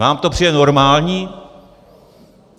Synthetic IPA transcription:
aːmt̪opr̥ijɛnoɾmaːlɲiː

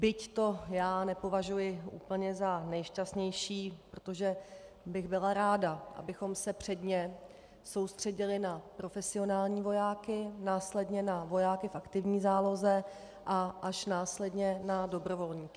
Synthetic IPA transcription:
bɪct̪o̞jaːnɛpo̞vaʒujɪʔṵːpl̩ɲɛzanɛjʃcast̪ɲɛjʃiːpɾo̞t̪o̞ʒɛ | bɪɣbɪlaɾaːdaʔa̰bɪxo̞msɛpr̝̥ɛdɲɛ | so̞wst̪r̥ɛɟɪlɪnapɾo̞fɛsɪo̞naːlɲiːvo̞jaːkɪnaːslɛdɲɛnavo̞jaːkɪfʔakt̪ɪvɲiːzaːlo̞zɛ | ʔaʔaʃnaːslɛdɲɛnado̞bɾo̞vo̞lɲiːkɪ

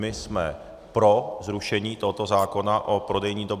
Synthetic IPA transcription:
mɪsmɛ | pɾo̞zɾuʃɛɲiːt̪oɦot̪o̞zaːko̞naʔo̞pɾo̞dɛjɲiːdo̞b

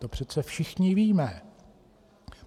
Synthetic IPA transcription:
t̪opr̝̥ɛt͡sɛfʃɪxɲɪviːmɛ

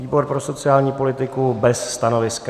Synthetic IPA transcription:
iːbo̞ɾpɾo̞so̞t͡sɪaːlɲiːpo̞lɪt̪ɪkubɛsːt̪ano̞vɪska

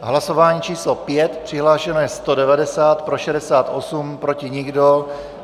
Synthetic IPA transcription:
ɦlasovaːɲiːt͡ʃiːslopjɛt̪pr̥ɪɦlaːʃɛnɛst̪odɛvadɛsaːt̪pɾoʃɛdɛsaːt̪ʔosumpɾo̞cɪɲɪɡdo

